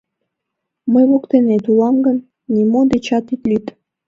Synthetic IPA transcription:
məjβokt̪enet̪ulɑmɡən | nʲimod̪et͡ɕɑt̪it̪lʲyt̪

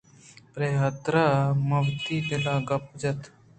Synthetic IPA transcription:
pɾeːɦət̪ɾamɐwt̪iːd̪ɪlaːɡɐpd͡ʒɐt̪ʰ

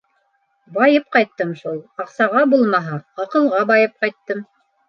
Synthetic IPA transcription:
bɑjɤp̚qɑjt̪ːɤmʃulˠɑqsɑʁɑbulˠmɑɦɑɑqɤ̆lˠʁɑbɑjɤp̚qɑjt̪ːɤm

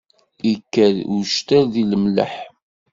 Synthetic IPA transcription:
ikːəɾuʃt̪æɾðiləmlə̰ħ

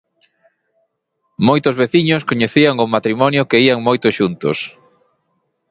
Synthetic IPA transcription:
mojt̪ʊzβeθiɲoskoɲeθiaŋʊmat̪ɾimɔnjʊkeiaŋmojt̪ʊʃunt̪ʊ̰s

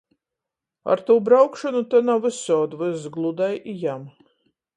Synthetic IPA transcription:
a̰ɾt̪uːbɾawkʃɔnut̪anawɨsɔːd̪vɨzɡlˠud̪ajijam

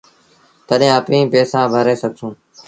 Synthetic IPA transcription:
t̪əɗɦẽːəpĩːpeːsãːbʱəɾeːsəɡ̚ʱsũː

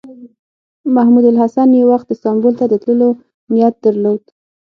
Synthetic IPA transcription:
mahmud̪alɦasanjewaxt̪̚d̪əst̪ɑmbolt̪ad̪ət̪ləlo | nijat̪̚d̪əɾlod̪̥

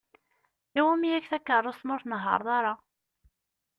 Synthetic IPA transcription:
iwæmijækθækːərˤːosmʊɾθnəɦːɑ̰ɾˤðˤɑɾˤɑ

